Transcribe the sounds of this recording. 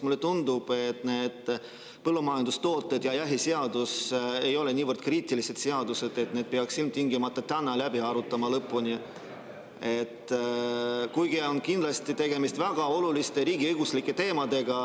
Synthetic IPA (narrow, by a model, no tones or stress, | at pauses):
mulːe̞t̪und̪ub̥e̞t̪ne̞ːd̪̥ | pɤlːumɑjɑnd̪̥ust̪o̞ːt̪ːˑed̪̥jɑjæɦise̞ɑd̪use̞jo̞le̞nʲiːvərd̪̥kriːt̪ˑilise̞t̪seɑd̪use̞d̪̥e̞t̪ne̞d̪̥̚peɑksilmt̪iŋɡimɑt̪ːˑɑt̪ænːɑlæbiɑɾut̪ːˑɑmɑlɤpːˑunʲi | e̞t̪ː | kujɡ̥io̞nkind̪lɑst̪it̪e̞ɡ̥e̞mist̪væɡ̥ɑo̞lulist̪e̞ɾiːɡiɤjɡ̥uslikːˑe̞t̪e̞ːmɑd̪e̞ɡ̥ɑ